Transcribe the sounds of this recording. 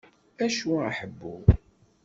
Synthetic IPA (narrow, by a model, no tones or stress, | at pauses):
æʃuaħəbːu